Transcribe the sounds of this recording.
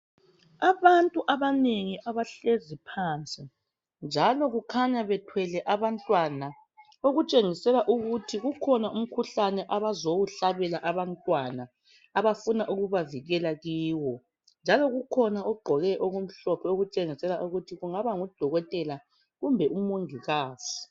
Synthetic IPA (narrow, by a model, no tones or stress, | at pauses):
aβantʼuʔaβaneŋiʔaβaɬezipʰaːnt͡sʼi | nd͡ʒʱalɔɣukʰaɲaβɛtʰwɛlɛʔaβantʼwana | oɣut͡ʃʼeŋisɛlaʔuɣutʰiɣukʰɔnaum̩kʰuɬanɛʔaβazowuɬaβɛlaʔaβantʼwanaː | βafunaʔuɣuβaviɣɛlaɣiːwɔ | nd͡ʒʱalɔɣukʰɔnaɔɡ͡ǃʱɔɣɛʔɔɣum̩ɬɔpʰɛoɣut͡ʃʼeŋisɛlaʔuɣutʰiɣuŋaβaŋud̥ʱɔɣɔtʼɛla | ɣumbʱɛʔumoŋʱiɣaːsi̥